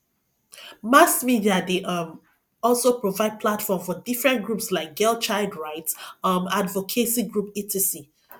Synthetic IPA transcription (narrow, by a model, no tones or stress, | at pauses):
masmidiadeʔʌm | ɔlˠsopɹovaɪd̚pʰlatfɔmfɔdifɹɛ̃nt̚ɡɹupslaɪk̚ɡ̥ɛlt͡ʃaɪlˠdɹaɪtsʌmadvokʰesĩɡɹupitʰisi